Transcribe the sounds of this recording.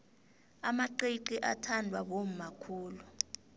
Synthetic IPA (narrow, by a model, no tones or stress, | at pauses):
amaǃeǃiʔatʰandʱwaɓom̩makʰuːlu